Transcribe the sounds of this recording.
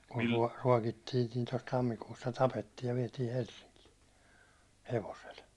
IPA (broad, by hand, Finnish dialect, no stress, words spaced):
kun tuɒ ruɒkitːiːn̆ niː tos tɑmːikuːsːɑ tɑpetːiːj jɑ ʋiɛtiː helsːiŋkiː heʋosel